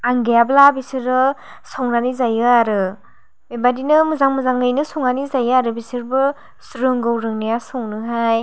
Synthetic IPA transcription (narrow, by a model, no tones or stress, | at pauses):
aŋɡejablabisɯɾɯ | sɔwnanizajɯaɾɯ | bebadinɯmɯzaŋmɯzaŋɯjnɯsɔŋnanizajɯaɾɯbisɯɾbɯ | sɾɯŋɡowɾɯŋnijasɔwnɯɦaj